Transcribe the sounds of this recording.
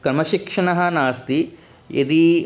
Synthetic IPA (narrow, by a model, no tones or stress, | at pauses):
kɐɾmɐʃikʂɐɳɐɦɐnaːst̪i | ḭd̪i